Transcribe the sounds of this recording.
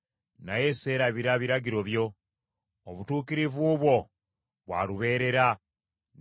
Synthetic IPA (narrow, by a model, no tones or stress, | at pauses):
naje̞se̞ːɾaβiɾaβiɾaɟiɾo̞βjo̞ː | βutuːkiɾivuβwo̞ | βwa̰ːluβe̞ːɾe̞ɾa